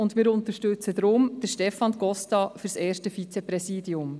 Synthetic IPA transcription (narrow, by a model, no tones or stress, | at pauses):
ʊndmɪːɾʊnt̪əʃtʉt͡səd̪ɾʊmd̥əɾʃtɛfɑnɡ̥ɔstɑfyɾsɛːɾʃtəfit͡sɛpɾɛsiːdiʊm